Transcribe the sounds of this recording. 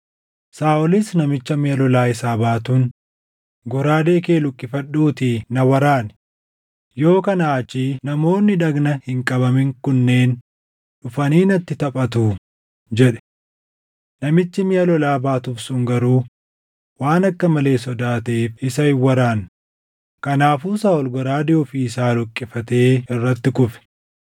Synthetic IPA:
saːʔɔlɪsnɐmɪt͡ʃːɐmɪjɐlɔlaːɪsaːbaːt̪un | ɡɔɾaːd̪e̞ːke̞ːlʊkʼːɪfɐᶑːuːt̪ɪnɐwɐɾaːn | jo̞ːkɐnaːt͡ʃːiːnɐmo̞ːnːɪᶑɐɡnɐhɪŋkʼɐbɐmɪŋkʊnːe̞ːn | ᶑʊfɐniːnɐt̪ːɪt̪ɐpʼɐt̪uː | d͡ʒɛᶑɛ̥ | nɐmɪt͡ʃ̪ːɪmɪjɐlɔlaːbaːt̪ʊfsʊŋɡɐɾuː | waːnɐkːɐmɐle̞ːsɔd̪aːt̪eːfɪsɐhɪwɐɾaːn | kɐnaːfuːsaːɔlɡɔɾaːd̪ɪɔfiːsaːlʊkʼːɪfɐt̪e̞ːɪrːɐt̪ːɪkʊfɛ̥

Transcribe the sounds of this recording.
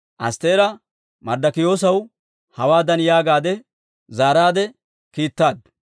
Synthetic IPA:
ʔɐ̰st̪eːɾɐ | mɐɾd̪ɐkɪjo̞ːs̬ɐw | hɐwaːd̪ɐnjaːɡaːd̪ɛ | zaːɾaːd̪ɛ | kiːt̪ːaːd̪̚

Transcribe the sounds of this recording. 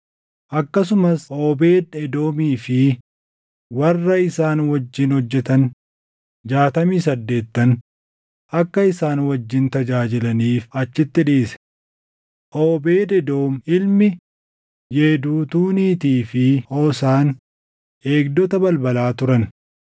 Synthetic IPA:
ʔɐkːɐsʊmɐso̞ːbe̞ːd̪ɛd̪o̞ːmiːfɪ | wɐrːɐɪsaːnwɐd͡ʒːɪnhɔd͡ʒːɛt̪ɐn | d͡ʒaːt̪ɐmiːsɐd̪ːe̞ːt̪ːɐn | ʔɐkːɐɪsaːnwɐd͡ʒːɪnt̪ɐd͡ʒaːd͡ʒɪlɐniːfɐt͡ʃːɪt̪ːɪᶑeːsɛ̥ | ʔoːbeːd̪ɛd̪o̞ːmɪlmɪ | jeːd̪uːt̪uːniːt̪iːfɪoːsaːn | e̞ːɡd̪ɔt̪ɐbɐlbɐlaːt̪ʊɾɐn

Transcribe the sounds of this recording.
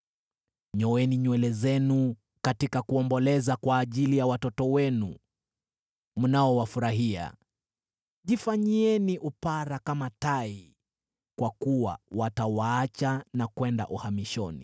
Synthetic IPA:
ɲɔwɛniɲwɛlɛzɛnu | katikakuɔmbɔlɛzakwaːʄilijawatɔtɔwɛnṵ | munaɔwafuɾaɦia̰ | ʄifaɲiɛniʔupaɾakamatai | kwakuwa̰watawaat͡ʃanakwɛnda̰ʔuhamiʃɔnḭ

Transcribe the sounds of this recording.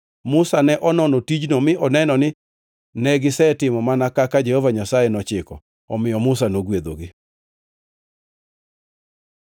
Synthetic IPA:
mʊsanɛʔɔnɔnɔtid͡ʒnomɪʔɔnɛnɔnɪ | nɛɡɪsɛtɪmɔmanakakad͡ʒehovaɲasajɛnɔt͡ʃɪkɔ̰ | ɔmɪjɔmʊsanoɡwed̪oɡɪ

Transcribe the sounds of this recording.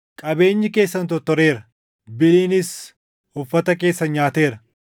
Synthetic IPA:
kʼɐbe̞ːɲːɪke̞ːsːɐnt̪ɔt̪ːɔɾeːɾɐ | bɪliːnɪs | hʊfːɐt̪ɐke̞ːsːɐnɲaːt̪e̞ːɾɐ

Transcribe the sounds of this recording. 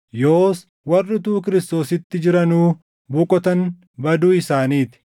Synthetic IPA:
joːs | wɐrːɪt̪uːkɪɾɪst̪o̞ːsɪt̪ːɪd͡ʒɪɾɐnuː | bʊkʼɔt̪ɐn | bɐd̪uːɪsaːniːt̪ɪ̥

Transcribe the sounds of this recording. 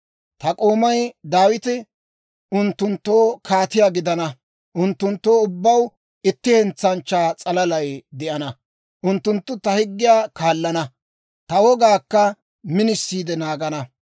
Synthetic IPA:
t̪ɐkʼo̞ːmɐjd̪aːwɪt̪ɪ | ʔʊnt̪ːʊnt̪ːo̞ːkʰaːt̪ɪjaːɡɪd̪ɐnɐ | ʔʊnt̪ːʊnt̪ːo̞ːʊbːɐw | ɪt̪ːɪhɛnt͡sːɐnt͡ʃːaːt͡sʼɐlɐlɐjd̪ɛʔɐnɐ | ʔʊnt̪ːʊnt̪ːʊt̪ɐhɪɡːɪjaːkaːlːɐnɐ | t̪ɐwɔɡaːkːɐ | mɪnɪsːiːd̪ɛnaːɡɐnɐ

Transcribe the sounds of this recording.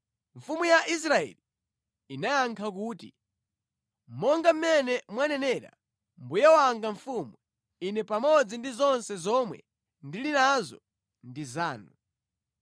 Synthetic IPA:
ɱ̩fumujaʔis̬ɾaɛ̰li | inajaŋkʰak̬uːti | mmɔŋɡam̩mɛnɛmwanɛnɛɾa̰ | mbujawaŋɡaɱfumu | inɛpamɔd͡zindizɔnsɛzɔmwɛ̰ | ndilinazɔ̰ | ndizaːnu

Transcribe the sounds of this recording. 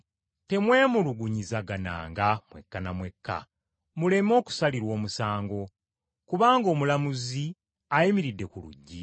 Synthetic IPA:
te̞mwe̞ːmuluɡuɲizaɡana̰ːŋɡamwe̞kːanamwe̞kːa̰ | mule̞mo̞ːku̥saliɾwo̞ːmusaːŋɡo̞ | kuβaːŋɡo̞ːmulamuzi | ajimiɾidːe̞kulṵɟːi

